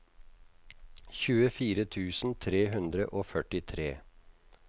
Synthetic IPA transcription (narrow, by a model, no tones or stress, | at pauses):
çʉːəfiːɾət̪ʰʉːsn̩t̪ʰɾeːɦʉnd̪ɾə̰ʔoːfœʈɪt̪ʰɾeː